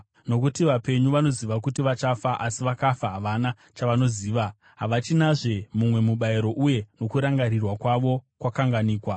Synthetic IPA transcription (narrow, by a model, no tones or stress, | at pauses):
no̞kutiʋape̞ɲuʋano̞ziʋakutiʋat͡ʃafaʔasiʋakafaɦaʋana | t͡ʃaʋano̞ziːʋa | ɦaʋat͡ʃinaʐe̞mumwe̞muɓaiɾo̞ʔuje̞no̞kuɾaŋɡaɾirwakwaʋo̞kwakaŋɡaniːkwa